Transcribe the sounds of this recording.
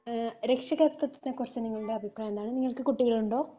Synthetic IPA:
ɾekʂɐɣeːt̪ːɐt̪ːinːɐkurɐt͡ɕːɨniŋːɐɭuɽe̞ɐbʱipraːjend̪aːɳɨniŋːɐɭkɨkuʈːiɣɐɭuɳɖo̞ː

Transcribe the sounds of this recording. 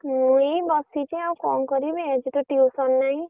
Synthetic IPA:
muibɔsit͡ʃĩaw̃kɔnkɔɾibeed͡ʒiʈɔʈiusɔnːaɦĩ

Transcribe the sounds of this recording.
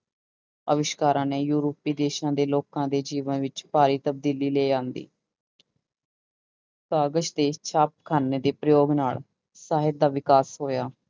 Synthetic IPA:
ə̰ʋɪʃkaːɾãːneːjuːɾoːpːiːd̪eːʃãːd̪eːloːkãːd̪eːd͡ʒiːʋənʋɪt͡ʃpaːɾiːt̪əb̚d̪iːliːleːd͡ʒãːnd̪ḭː | saːɡəʃd̪eːt͡ʃʰaːp̚kʰaːneːd̪eːpɾəjoːɡnaːɭ | saːɦɪt̪̚d̪aːʋɪkaːsɦoːjaː

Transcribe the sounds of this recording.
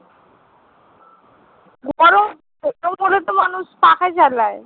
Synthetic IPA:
ɡɔɾo | eʈokoɾet̪omanuʃpakʰat͡ɕalae

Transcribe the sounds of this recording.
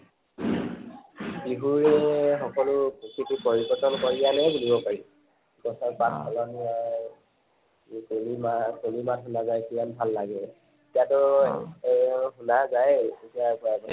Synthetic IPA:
piɦuɹɛxɔkɔlʊpukʰikipoɹibɔtɔnkɔɹijanɛbulibɔpaɹi | kɔsɔpatʰkʰɔlɔnia | kulimakulimatɦunazajkimanbʱalːaɡɛ | etijatʊ | xunazajetiakɔjabɔ

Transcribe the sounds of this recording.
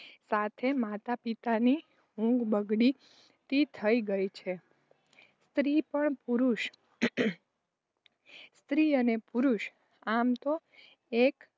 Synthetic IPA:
sat̪ʰemat̪apit̪ani | ũŋɡbəɡɽi | t̪it̪ʰəiɡəjt͡ʃʰe | st̪ɾipəɳpuɾuʃ | st̪ɾiənepuɾuʃ | amt̪o | ek

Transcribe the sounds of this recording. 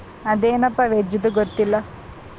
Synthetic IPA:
ɐd̪eːnɐpːɐʋed͡ʒid̪uɡot̪ːilːɐ

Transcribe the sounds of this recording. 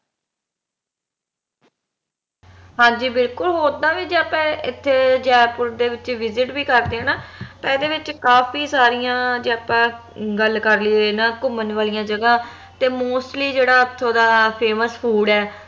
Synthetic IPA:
ɦãːɲd͡ʒiːbɪlkʊlɦoːɾd̪ãːʋiːd͡ʒeːəpɛ̃ːɪt̪ʰːeːd͡ʒɛːpʊɾd̪eːʋɪt͡ʃʋɪzɪʈbiːkəɾd̪eːɦɛ̃ːnaːt̪ãːɪd̪eːʋɪt͡ʃkaːfiːsaːɾijãːd͡ʒeːəpãː | ɡəlkəɾliːɦoːnãːkʊmənʋaːlijãːd͡ʒəɡãː | t̪eːmoːsʈliːd͡ʒeːɽaːət̪ʰːõːd̪aːpʰeːməspʰuːɖɛː

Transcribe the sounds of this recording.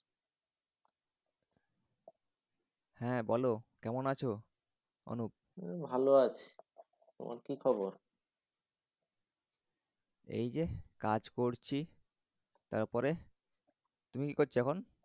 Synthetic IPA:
hɛ̃bɔlokɛmonat͡ɕʰo | o̰nup̚bʱaloat͡ɕʰe̥ | t̪o̰mʔa̰ɾkikʰɔboɾ | ḛjd͡ʑekad͡ʑkoɾt͡ɕʰi | t̪a̰ɾpɔɾe | t̪umikikoɾt͡ɕʰiɛkʰon

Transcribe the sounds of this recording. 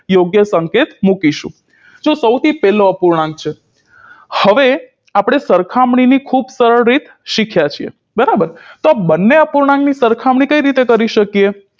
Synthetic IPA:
joɡjəsəŋket̪mukiʃṵ̃ | d͡ʒosəwt̪ʰipɛloəpuɾɳãŋɡ̚t͡ʃʰe | həʋe | apɽ̃esəɾkʰamɳ̃inikʰubsəɾəɭɾit̪ | ʃikʰjat͡ʃʰiḛ | bəɾabəɾt̪oabənːeəpuɾɳãŋɡnisəɾkʰamɳ̃ikəiɾit̪ekəɾiʃəkie

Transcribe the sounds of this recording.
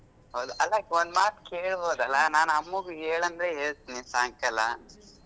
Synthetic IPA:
hɐwd̪uʔɐlːɐond̪maːt̪keːɭboːd̪ɐlːɐnaːnɐmːuɡuɦeːɭɐnd̪ɾeɦeːɭt̪iːnisaːŋkɐlːɐ̰

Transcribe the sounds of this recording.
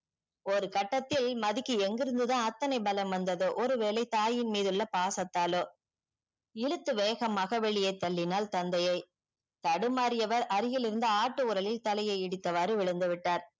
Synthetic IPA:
ɔɾɯkɐʈːɐt̪ːɪlmɐðɪkːɯɛŋɡɪɾɯnd̪ɯðãːɐt̪ːɐnɐɪbɐlɐmʋɐnd̪ɐðoːʔɔɾɯʋeːlɐɪt̪aːjɪnmiːðɯɭːɐpaːsɐt̪ːaːloː | ɪɻɯt̪ːɯʋeːɣɐmaːɣɐʋɛɭɪjɐɪt̪ːɐɭːɪnaːlt̪ɐnd̪ɐjɐɪ | t̪ɐɽɯmaːɾɪjɐʋɐɾɐɾɪjɪlɪɾɯnd̪ɯaːʈːɯʊɾɐlɪlt̪ɐlɐjɐɪɛɽɯt̪ːɐʋaːɾɯʋɪɭɐnd̪ɯʋɪʈːaːɾ

